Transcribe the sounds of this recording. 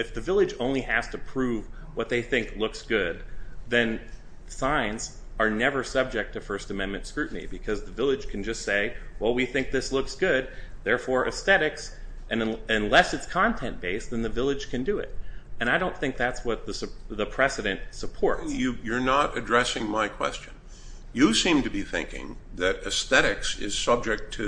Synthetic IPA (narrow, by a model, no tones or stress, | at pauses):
ɨfðɨvɪlˠɨd͡ʒõʊ̃nliæz̥tʰɨpʰɹ̥uv | wʌt̪̚ðeɪθɪ̃ŋklʊksɡ̥ʊd̪̚ðɨ̃n | sãɪ̃nz | ə˞nɛvə˞sʌb̚d͡ʒɨk̚tʰɨfɜ˞stɨmɛ̃nmɨ̃ntskɹʉʔn̩ḭbɨkʰʌzðɨvɪlˠɨd̥ʒ̥kʰn̩d͡ʒʌstseɪwɛlˠwiθɪ̃ŋk̚ðɪslʊksɡ̥ʊd̚ðɛɹfɔɹʔɨsθɛɾɨks | ʔɨ̃nɨ̃nlɛsɨtskʰɑ̃ntʰɛ̃nb̥eɪsðɨ̃nðɨvɪlˠɨd̥ʒ̥kʰɨ̃ndɨɪ̰ɾ̚ɨ̃ɾ̃aɪɾõʊ̃nθɪ̃ŋk̚ðætswʌt̪̚ðəsðəpʰɹ̥ɛsɨɾɨ̃ntsəpʰɔɹtjɨjə˞nəɾɨdɹɛsɪ̃ŋmaɪkʰw̥ɛ̰st͡ʃɨ̃n | jɨsĩmtɨbiθɪ̰̃ŋkɪ̰̃ŋðɨɾɨsθɛɾɨksɪ̰z̥sʌb̚d͡ʒɨk̚tʰɨ